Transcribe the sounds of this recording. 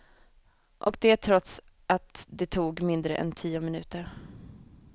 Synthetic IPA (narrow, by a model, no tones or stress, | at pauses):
ʔɔkd̪ɛæʈʰɾɔt̪sʔat̪d̪ɛt̪ʰuːɡmɪnd̪ɾə̰ʔɛ̰nt̪ʰiːʊmɪnʉ̟ːt̪əɾ